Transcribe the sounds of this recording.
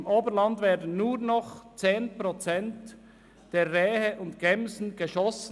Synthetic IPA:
mʔoːbəɾlɑndvɛːɐdən̩nuːɾnɔχt͡seːnpʁot͡sɛnt | d̥eːɛːhəʔʊntɡ̥ɛmzn̩ɡ̥əʃɔs

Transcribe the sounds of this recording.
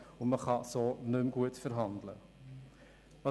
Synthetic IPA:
ʊnməχɑsoːnʏmɡuətfəɾɦɑndlə̰ | ɑ

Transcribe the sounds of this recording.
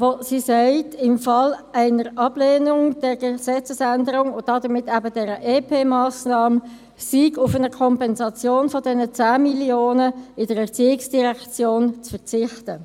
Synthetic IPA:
vosisɛɪtʰɪmfɑlæɪnəɾɑb̥leːnʊŋd̥ɛɾɡəsɛt͡səsændəɾʊŋʊn̚d̥ɑdəʁmɪtːæbədɛɾəʔeːpʰeːmɑːsnɑːm | siːɡʊfənəkʰɔmpɛnzɑt͡sjoːnfɔdɛnət͡sæːmiljoːnəɪd̥əɾɛʁt͡siːɪksd̥iʁɛkt͡sjoːnt͡sfəʁt͡sɪχtə

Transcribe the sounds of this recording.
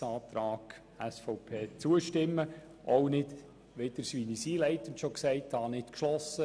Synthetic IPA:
sɑːt̪ɾaːɡ̥ | æsfɔʊpʰeːt͡suəʃtɪmːə | ʔownɪd | ʋed̪̥əɾsʋiːnisiːlɛɪtən̩tʃoksɛɪthɑnɪtkʃlɔsə

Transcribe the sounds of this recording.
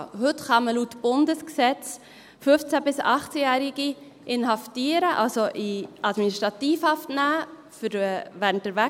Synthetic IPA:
ɦɵtχɑməlutb̥ʊndəsksɛt͡s | fɵft͡sæbɪsɑχt͡sɛjæːɾɪɡ̥i | ʔɪnɦɑftiːəɾəʔɑ̰lsoʔiʔɑd̥miniʃtɾɑtiːfhɑftnæː | fəɾvæːɾntəɾvæ

